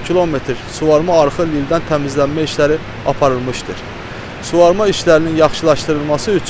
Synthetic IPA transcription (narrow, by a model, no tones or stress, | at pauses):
cʰilˠo̞me̞t̪ʰɾsuvɑɾmɑːɾχɯlild̪ænt̪ʰæmizlænmæiʃlæɾi | ɑ̰pʰɑɾɯlˠmɯʃt̪ɯ̰ɾ | suvɑɾmɑiʃlæɾininjɑχʃɯlˠɑʃt̪ɯɾɯlˠmɑsɯyt͡ʃʰ